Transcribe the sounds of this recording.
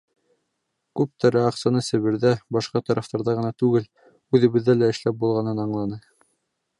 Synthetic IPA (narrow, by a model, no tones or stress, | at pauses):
kʉp̚t̪ɑɾæɑqsɑnɤsɘ̆βɘ̆ɾðæbɑʃqɑt̪ɑɾʔɑft̪ɑɾðɑʁɤ̆nɑt̪ʉɡɘl | ʉðɘ̆βɘ̆ðːælæɘ̆ʃlæp̚bulˠʁɑnɤnɑɴlˠɑnɤ